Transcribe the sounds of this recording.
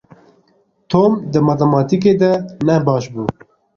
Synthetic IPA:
t̪ʰoːmd̪ɨmɑt̪ɛmɑːt̪ik̬eːd̪ɛnɛbɑːʃbuː

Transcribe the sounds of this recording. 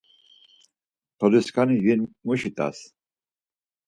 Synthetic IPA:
t̪ʰɔliskʰanijinmuʃit̪ʼa̰s

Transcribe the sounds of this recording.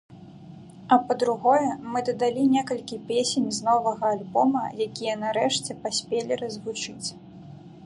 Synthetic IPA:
ɐpɐd̪ɾuɣɔjɛmɨd̪ɐd̪alʲinʲɛkɐlʲkʲipʲesʲenʲznɔvɐɣɐːlʲbɔmɐ̰jakʲijɐnaɾɛʂt͡sʲɛpasʲpʲelʲirɐzvut͡ʂɨt͡sʲ

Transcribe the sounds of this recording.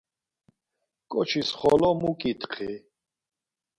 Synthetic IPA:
kʼɔt͡ʃʰisχɔlɔmukʼit̪ʰχʰi

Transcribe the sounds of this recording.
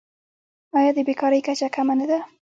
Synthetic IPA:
ɑjɑd̪əbekɑɾəjkat͡ʃakamanad̪a

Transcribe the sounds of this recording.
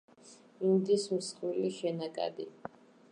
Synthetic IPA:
imd̪ismsqʼwiliʃɛnakʼa̰d̪ḭ

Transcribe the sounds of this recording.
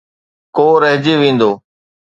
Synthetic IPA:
koːɾəɦd͡ʒiːʋĩːn̆d̪oː

